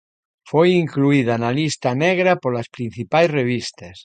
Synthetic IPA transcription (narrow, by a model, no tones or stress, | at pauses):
fojiŋkluið̞analist̪aneɣɾapoɾlaspɾin̟θipajsreβ̞ist̪as